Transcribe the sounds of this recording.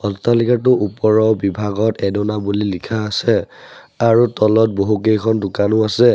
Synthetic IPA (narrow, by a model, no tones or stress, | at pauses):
ɔstalikatʊʔupɔɹɔbibʱaɡɔtɛdɔnabulilikʰaːsɛ | aɹutɔlɔt̚boɦukejkʰɔndʊkanʊasɛ